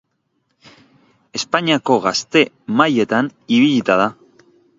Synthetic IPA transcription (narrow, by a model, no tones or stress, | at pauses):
e̞spaɲiako̞ɣast̪e̞ | maje̞t̪aniβiʎit̪aða